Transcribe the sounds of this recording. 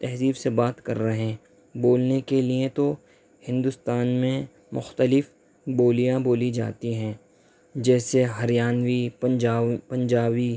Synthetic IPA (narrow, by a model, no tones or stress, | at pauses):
t̪ɛɦziːbsebaːt̪kɐ̰ɾːɐɦẽ | boːlnekeliẽt̪o | hɪ̃nd̪ʊst̪aːnmẽ | mʊxt̪əlɪf | boːlijãboːlid͡ʒa̰ːt̪iɦɛ̃ː | d͡ʒɛːseɦɐɾjaːnwiaːpɐ̃ɲd͡ʒaːʋi